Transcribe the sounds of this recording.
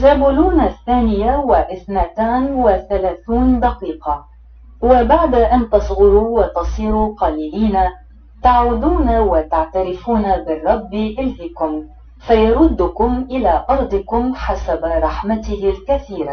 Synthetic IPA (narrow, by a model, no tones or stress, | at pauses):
zabʊluːnaθːaːnɪjawaʔɪθnat̪aːnwɪθalaːθuːnd̪ɑqiːqɑ | wabaʕd̪aʔant̪ɑsˤɣʊɾuːwɑt̪ɑsˤiːɾuːqɑːliːliːna | t̪aʕuːd̪uːnawɪt̪aʕt̪aɾɪfuːnabɪrˤːɑbːiʔɪlhɪkʊm | fajɑɾˤʊd̪ːʊkʊmʔɪlaːʔɑɾˤd̪ˤɨkʊmħasabɾˤɑħmat̪ɪhɪlkaθiːɾa